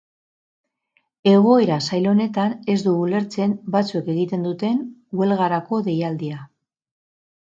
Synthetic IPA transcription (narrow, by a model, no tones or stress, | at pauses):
e̞ɣ̞o̞e̞ɾasajlo̞ne̞t̪ane̞zd̪uule̞ɾt͡se̞nbat͡sue̞ke̞ɣit̪e̞nd̪ut̪e̞nɡwe̞lɣaɾako̞ðe̞jald̪ia